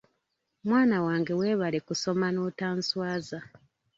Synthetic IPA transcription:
mwaːnawaːŋɡe̞we̞ːβale̞kuso̞mano̞ːtaːnswaːza

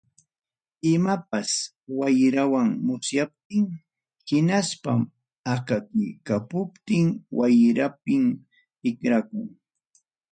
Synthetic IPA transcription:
ɪmap̚as | wajɾawaŋmʊsjap̚t̪ɪŋ | hɪnaspam | akakʊjkapʊpt̪ɪŋwajɾap̚ɪm | ɪkɾakʊŋ

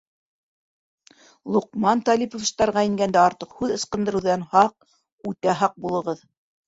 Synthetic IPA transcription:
lˠuqmɑnt̪ɑlʲipofst̪ɑɾʁɑjĭŋɡænd̪æɑɾt̪ɤqhʉðɤ̆sqɤ̆nd̪ɤ̆ɾɤ̆wðɑnhɑq̚ | ʉt̪æɦɑq̚bulˠɤ̆ʁɤð

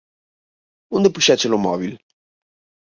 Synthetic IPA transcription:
und̪epuʃɛt͡ʃelomɔ̰βil

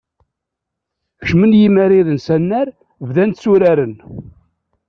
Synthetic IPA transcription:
çʃmənjimæɾiðənsænːæɾ | vðænt̪suɾæɾən

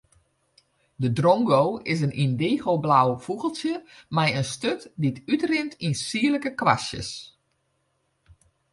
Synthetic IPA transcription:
dədrɔŋɡowɪsənindeːɣoːblawfuɣəl̩ˠsjəmajənstøtditytrɪntinsiələkəkʋa̰sjə̰s

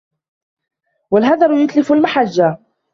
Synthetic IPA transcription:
walɦaðˤɑɾʊjʊt̪lɪfʊlmaħad͡ʒːa

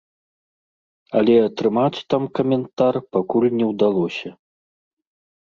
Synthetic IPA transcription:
ɐlʲɛɐt̪ɾɨmat͡sʲt̪amkɐmʲɛnt̪arpakulʲnʲɛwd̪alˠɔsʲɐ

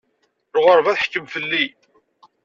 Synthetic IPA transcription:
ɾʁəɾˤvæθħə̥kːəmfəlːi

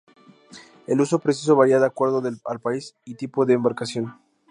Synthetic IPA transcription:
e̞luso̞pɾes̬is̬o̞βaɾjaðakwe̞ɾðoðealpaisit̪ipo̞ðeːmbaɾkasjo̞n

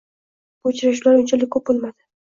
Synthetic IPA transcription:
bʊt͡ʃɾaʃulaɾont͡ʃʰalɪkʰːɵp̚bolˠmad̪ɪ

